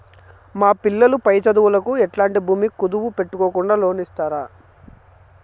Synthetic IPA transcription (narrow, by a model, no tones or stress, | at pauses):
maːpilːɐlupɐjɐt͡ʃɐd̪uʋulɐkuɛʈlaːɳʈibʱuːmikud̪uʋupe̞ʈːukoːkuɳɖaːlo̞ːnist̪aːɾaː